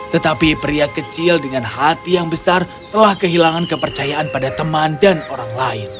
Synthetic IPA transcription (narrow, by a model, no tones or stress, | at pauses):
t̪ət̪apipɾiakət͡ʃɪldəŋanhat̪ijaŋbəsar | t̪əlahkəɦilaŋankəpərt͡ʃajaʔanpadat̪əmandanoɾaŋlaɪn